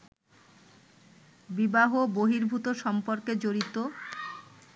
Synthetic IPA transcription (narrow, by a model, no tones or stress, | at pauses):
bibaɦoboɦiɾbʱut̪oʃɔmpoɾked͡ʑoɾit̪o